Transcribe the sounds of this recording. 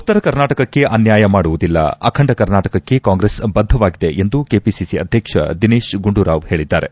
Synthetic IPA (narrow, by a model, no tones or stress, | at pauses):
ut̪ːɐɾɐkɐɾnaːʈɐkɐkːe̞ʔɐnjaːjɐmaːɽuʋud̪ilːɐ̰ɐkʰɐɳɖɐkɐɾnaːʈɐkɐkːe̞kaːŋɡɾesbɐd̪ʱːɐʋaːɡid̪e̞ʔend̪ukeːpisisiɐ̰d̪ʱjɐkʂɐ̰d̪ineːʃɡuɳɖuɾaːʋhe̞ːɭid̪ːa̰ːɾe̞